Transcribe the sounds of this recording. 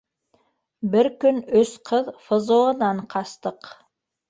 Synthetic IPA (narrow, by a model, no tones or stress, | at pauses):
bɘɾkɵnɵsqʰɤðfɤ̆zŏɤ̆nɑɴqʰɑst̪ɤq